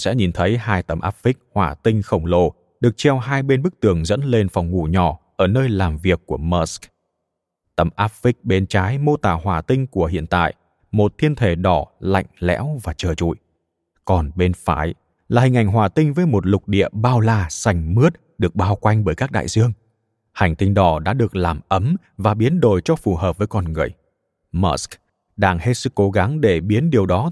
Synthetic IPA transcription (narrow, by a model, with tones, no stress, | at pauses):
sɛ̰˧˥ɲi˨˩nt̪ʰə˨˦jɦaː˧jt̪ə˧˩mʔa̰ː˦˥p̚fi˦˥k̟̚hwaː˨˩t̪ï˧ŋ̟xə˧˩wŋ͡mlo˧˩ | ɗɨ˨˩ək̚t͡ɕɛ˧wɦaː˧jɓe˧nɓɨ˦˥k̚t̪ɨ˨˩əŋzə̰˧˥nle˧nfɔ˨˩wŋ͡mŋu˧˩ɲɔ˧˩ʔəː˧˩nəː˧jlaː˨˩mvi˨˩əkkːu˧˩əmɔ˦˥sk | t̪ə˨˧˩mʔaː˦˥p̚fï˦˥k̚ɓe˨˦nt͡ɕaː˨˦jmo˧t̪aː˨˩hwaː˨˩t̪ï˧ŋ̟ku˧˩əhḭ˧˨ənt̪a̰ː˧˨jʔ | mo˨˩t̚t̪ʰi˧ənt̪ʰe˧˩ɗɔ˧˩la̰˧˨jŋ̟lɛ̰˧˥wvaː˨˩t͡ɕəː˨˩t͡ɕṵ˧˨j | kɔ˨˩nɓe˧nfaː˨˩˦j | laː˨˩hï˨˩ŋ̟ʔa˧˩jŋ̟ɦwaː˨˩t̪ï˧ŋ̟vəː˨˦jmo˨˩t̚lʊ˨˩k͡p̚ɗḭ˧˨əɓaː˧wlaː˧˩sa˧˩jŋ̟mɨ˦˥ət̚ | ɗɨ˨˩ək̚ɓaː˧wkwa˧jŋ̟ɓəː˧˩jkaː˦˥k̚ɗa̰ː˧˨jzɨ˧əŋ | ha˨˩jŋ̟t̪ï˧ŋ̟ɗɔ˧˩ɗa̰ː˧˥ɗɨ˨˩ək̚laː˨˩mʔə˨˦m | vaː˨˩ɓi˨˦ənɗo˧˨˩jt͡ɕɔ˧fu˧˨˩həː˨˩p̚vəː˨˦jkɔ˧˩nŋɨ˨˩əj | mɔ˦˥sk | ɗaː˧ŋhe˦˥t̚sɨ˦˥kːo˨˦ɣa˨˦ŋɗe˧˩ɓi˨˦ənɗi˨˩əwɗɔ˨˦